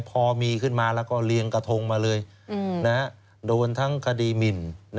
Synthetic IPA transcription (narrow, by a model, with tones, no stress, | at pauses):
pʰɔː˧miː˧kʰɯ˥˩nmaː˧lɛː˦˥wkɔː˥˩li˧əŋka˧t̪ʰo˧ŋmaː˧lɤː˧j | na˦˥ | doː˧nt̪ʰa˦˥˩ŋkʰa˧diː˧mi˨˩nn